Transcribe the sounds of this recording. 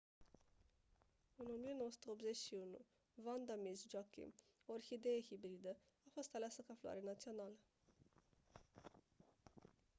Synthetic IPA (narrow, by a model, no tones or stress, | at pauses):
ɨno̞mijeno̞wəsu̥t̪eo̞pzet͡ʃʲʃiunṵ | vand̪amisd͡ʒakḭm | orxid̪eehibɾid̪ə | afo̞st̪aleasəkafloa̰ɾenat̪sio̞nalə